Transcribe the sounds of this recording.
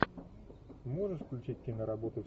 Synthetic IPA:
moʐɨʂfklʲʉt͡ɕit̚ʲkʲinəɾɐbot̪ʊ

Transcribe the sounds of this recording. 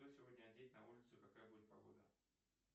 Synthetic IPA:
osʲɪvo̞dʲnʲəɐdʲet̚ʲnɐulʲɪt̪sʊkɐkajəbudʲɪt̪̚pɐɡo̞̰d̪ə̰

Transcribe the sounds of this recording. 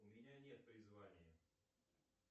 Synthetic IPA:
ʊmʲɪnʲanʲet̪̚pɾʲɪzvanʲɪjə

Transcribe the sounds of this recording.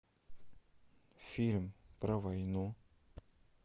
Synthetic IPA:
fʲilʲmpɾəvajnu

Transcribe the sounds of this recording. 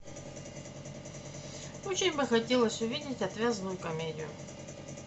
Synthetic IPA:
ot͡ɕɪnʲbɨxɐtʲelˠəsʲʊvʲidʲɪtʲɐt̪vʲazənʊjʊkɐmʲedʲɪjʊ̰

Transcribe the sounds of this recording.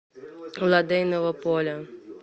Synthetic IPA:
wlˠad̪ɛjnɔvɐpɔlʲɐ

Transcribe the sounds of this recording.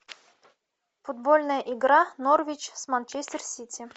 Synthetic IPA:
fud̪̚bolʲnəjəʔiɡɾɑnorvʲit͡ɕsmant͡ɕesʲtʲɪrsʲit̪ʲi

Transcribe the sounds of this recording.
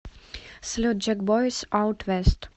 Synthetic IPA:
slʲod̪̚d͡ʒɛɡbɔjsawt̪ʋɛst̪

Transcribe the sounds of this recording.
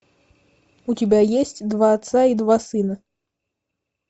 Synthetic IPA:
utʲabʲajesʲt͡sʲd̪vaːt̪said̪vasɨnɐ

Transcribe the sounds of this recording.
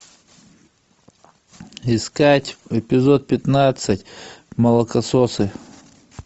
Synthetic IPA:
ɪskatʲɛpʲɪzot̪̚pʲɪt̪nat̪sɨtʲmɐlˠəkɐsosɨ

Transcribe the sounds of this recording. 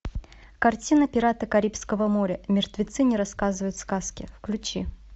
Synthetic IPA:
kɐrtʲinəpʲɪɾat̪əkɐɾʲipskəvəmoɾʲəmʲɪrt̪vʲɪt̪sɨnʲɪɾɐskazɨvəjʊt̪skaskʲɪfklʲʉt͡ɕi

